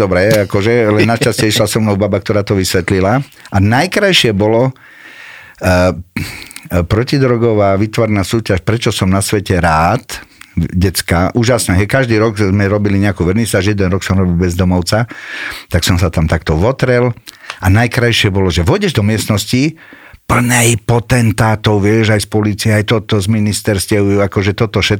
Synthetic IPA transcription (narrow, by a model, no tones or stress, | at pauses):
d̪ɔbɾɛakɔʒɛlɛnːaʃt͡ʃascɪɛiʃlasɔmnɔʊbabakt̪ɔɾaːt̪ɔʋisʋɛt̪lila | ʔanajkɾajʃɪɛbɔlɔ | pɾɔcid̪ɾɔɡɔʋaːʋit̪ʋɔɾɛnaːsuːcaʃpɾɛt͡ʃɔsɔmnasʋɛcɛɾaːt̪ɟɛt͡skaʔuːʒasnɛɦɛjkaʒd̪iːɾɔɡzmɛɾɔbiliɲɛakuːʋrɲisaːʒɛjɛd̪ɛnɾɔksɔmɾɔbilbɛzd̪ɔmɔʊt͡sat̪aksɔmsat̪amt̪akt̪ɔʋɔt̪ɾɛlanajkɾajʃɪɛbɔlɔʒɛʋɔɟɛʒd̪ɔmɪɛsnɔsci | pl̩nɛjpɔt̪ɛnt̪aːt̪ɔʊʋɪɛʒajspɔliːt͡siɛajt̪ɔt̪ɔzminist̪ɛɾscɛujuakɔʒɛt̪ɔt̪ɔʃɛ